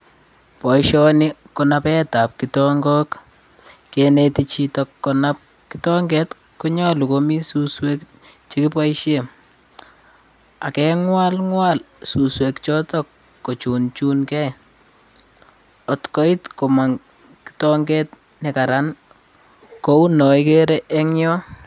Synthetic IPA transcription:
pɔ˨jʃɔ˦nɪ˦kɔna˦pɛ˦ta˨p̚kitɔŋɡɔ˦k | ke˨netit͡ʃitɔkːɔnap̚ | kitɔ˦ŋɡɛ˦t | ko˦ɲɔ˦lu˨ko˦mi˦suswe˦k | t͡ʃe˦ki˦pɔ˦jʃe˦m | a˨kɛ˦ŋwa˦lŋwa˦l | su˨swekt͡ʃɔ˦tɔ˦kː | o˨t͡ʃu˨nt͡ʃu˦nkɛ˦ | ɔ˨tkɔ˦ɪ˦tkɔ˨ma˨ŋ | ki̥tɔ˦ŋɡɛ˦t | nɛ˨ka˨ɾan | ko˦u˦nɔ˨ike˦ɾeʔɛ˦ŋjɔ˦

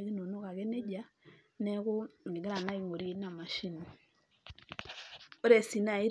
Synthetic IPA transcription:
ɣi˦no˨no˦ka˨ɣe˦ne˦ɟa˦ | ne˦ku˦i˨ɡe˦ɾa˨na˦i˦˨ŋo˨ɾi˦na˨ma˨ʃi˦ni˨ | o˦ɾe˨si˨na˨i˦ɾ

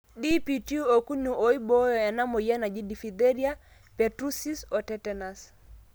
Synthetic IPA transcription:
ɗi˦pi˨tu˦ɔ˨ku˦nu˨ɔ˨i˦bɔ˦jɔ˨a˨na˦mɔ˨ja˦na˨d͡ʒi˦di˨fi˨dɛ˦ɾi˦a˦ | pɛ˨tɾu˦si˦sɔ˨tɛtɛna˨s

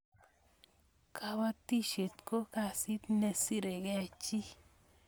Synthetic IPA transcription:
kʰa˦wa˦ti˦ʃe˨t̪ko˦ka˨si˦t̪ne˨si˦ɾe˨ɡɛ˦˨t͡ʃi˦

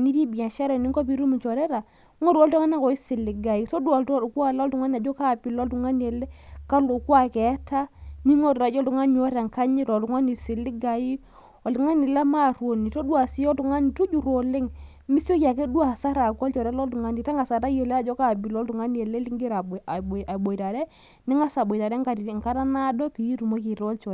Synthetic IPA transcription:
ni˦ti˦bi˨a˨ʃa˦ɾɔ˨ni˦ŋkɔ˦pi˨˦ɾu˦mu˨t͡ʃɔ˨ɾɛ˦ɾa˨˦ | ŋɔ˦ɾu˨ɔ˦ltɔ˦ŋa˦n˦a˨kɔ˨i˦sɪ˨lɪ˨ɡa˨i˦to˦da˨ltku˦a˦˨lɔ˦tu˨ŋa˦ni˨a˨d͡ʒɔ˦ka˦˨pi˨lɔ˦ltu˨ŋa˦ni˨ɛ˨lɛ˦ka˦lo˨kwa˦˨kɛ˨˦ta˦ni˦ŋɔ˦ta˨d͡ʒɔ˦ltu˨ŋa˦n˨ɔ˦ɾa˨ŋka˦ɲi˦ɾɔ˨u˨ŋa˦ni˨sɪ˨lɪ˦ɡa˨ji˦ | ɔ˨ltu˨ŋa˦ni˨la˦ma˦˨rwo˨ni˨to˦dwa˨si˦ɔ˦tu˨ŋa˦ni˨tu˦d͡ʒu˨ɾo˨lɪ˦ŋ | mi˦so˦kja˨ke˦dwa˨sa˦ɾa˨klt͡ʃɔ˨ɾa˦lɔ˦ltu˨ŋa˦ni˨ta˦ŋa˨sa˨ta˦je˨lɛ˦a˦d͡ʒɔ˦ka˦˨bi˨lɔ˦ltu˨ŋa˦ni˦ɛ˨le˦li˦ŋɡɪ˦ɾa˨a˨ɓo˨i˨ta˨dɛ˦ | nɪ˦ŋa˦sa˨bo˨i˨ta˨ɾɛ˦ŋka˨ti˨i˨ŋ˨ka˦ɾa˦na˦dɔ˦pi˨ji˦tu˨mo˦ki˨ɾɔ˦lt͡ʃɔ˨

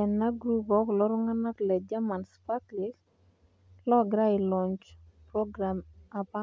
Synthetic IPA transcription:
ɛ˨nːa˦ɡɾu˦pɔ˦klɔ˦ɾɔ˦ŋa˦na˦klɛ˨d͡ʒa˦ma˨nspa˦klɪ˦k | lɔ˦ɡɾa˦ɪ˨lɔ˨ɲt͡ʃpɾɔ˦ɡɾa˨ma˨pa˦

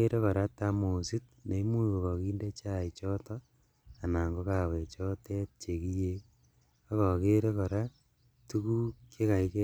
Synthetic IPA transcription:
e˦ɾe˦kɔ˨ɾa˦tamo˨sit̚ne˨i˦mu˦iko˨kɔ˨kiː˦nde˦t͡ʃait͡ʃɔ˦tɔ | a˨na˨ŋɡoka˨we˨t͡ʃɔ˦te˦t̚t͡ʃe˨ki˦je | o˦kɔ˨ke˦ɾe˦ko˨ɾa | tuku˦kje˦ka˨ike

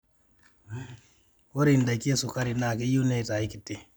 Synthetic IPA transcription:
wo˦ɾinda˨ki˦e˦su˨ka˦ɾina˨ke˦ju˦ne˦i˨ta˨iki˨tːɛ˨

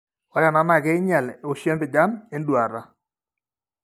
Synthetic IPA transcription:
ɔ˨ɾja˨na˦ma˦˨ke˦ɪ˦ɲa˨lo˨ʃjɛ˦mpɪ˨d͡ʒa˦me˦ndwa˨ɾa˦

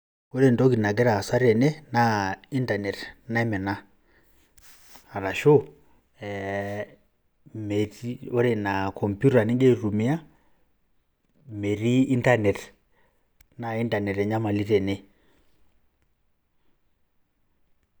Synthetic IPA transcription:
o˦ɾe˦˨ndɔ˦ɡi˨na˨ɡ̬ɛ˦ɾa˨sa˦ɾɛ˨ne˦na˨i˦nta˨nɛ˨tna˦ɛ˦mɛ˨na˦ | a˨ɾa˨ʃo˦ | ɛ˨ | me˨ɾi˦o˦ɾe˨na˨kʰɔ˨mpju˦ɾa˨ni˦ŋɡe˦ɾu˨mi˦a˦ | me˨ɾiː˦nta˦nɛ˨t | na˨i˦nda˨nɛ˨ɾɛ˨ɲa˦ma˨li˦ɾɛ˨nɛ˦

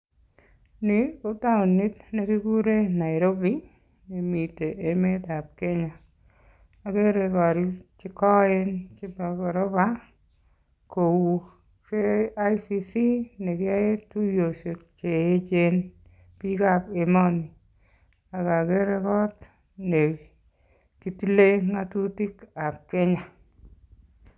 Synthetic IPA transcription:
nɪ˨u˦ta˦o˨ni˦tne˦kɪ˦ɡu˦ɾe˦na˨ɪ˨ɾo˦bi˦ | ni˨mi˨te˨ʔːme˦t̪a˨p̚ke˦ɲa˨ | a˨ɡe˦ɾe˧kɔ˨ɾi˦t͡ʃɪ˦kɔ˦e˦nt͡ʃɪ˦ba˨kɔ˨ɾo˦ba˦ | ko˨wu˨ | ke˦a˦jsisi˦ne˨kɪ˦a˦e˦tu˦jo˨so˨t̚t͡ʃe˨e˦t͡ʃe˦n | pi˦ka˨pe˨mɔ˦ni˨ | a˨ka˨ke˦ɾe˧kɔ˦t | ne˨ | ki˦ti˦le˦ŋa˦tu˦ti˦ka˨p̚ke˦ɲa˨

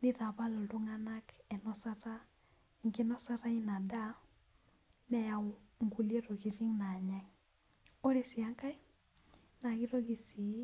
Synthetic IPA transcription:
ni˦ða˨βa˦lɔ˨do˦ŋa˦na˦kɛ˨nɔ˦sa˦ɾa˦ | ŋke˦nɔ˦sa˦ɾa˦i˦na˨da˦ | nɛ˦ja˨˦ŋɡu˦lje˦ɾo˨ɣi˨ɾi˦ŋna˨ɲa˦ŋ | o˦ɾe˨si˨a˦ŋka˦i˦ | na˨ɣi˦ɾɔ˦ɣi˨si˨˦

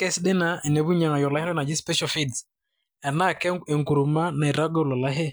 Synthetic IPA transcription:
kɛ˦sɗɪ˦na˨ɛ˨nɛ˨βu˦ɲa˨ŋa˨jɔ˨la˨˦hɪ˦n˦ɔ˦na˨d͡ʒɪ˦spɛ˦ʃɔ˦˨fi˦ds | ɛ˨na˦˨ke˨ŋku˨ɾu˨ma˦na˨ɛ˨ɾa˦ɡɔ˦˨lɔ˨la˦ɦe˦

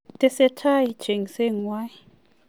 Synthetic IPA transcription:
tʼɛ˦sɛ˦tʰa˦ji˨d̥ʒ̥ʱe˨ŋi˨se˦ŋ˨wa˦ji

